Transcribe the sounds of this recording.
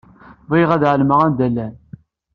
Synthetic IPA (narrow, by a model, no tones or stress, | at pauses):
vˤiʁæðʕəlməʁænd̪ælːæn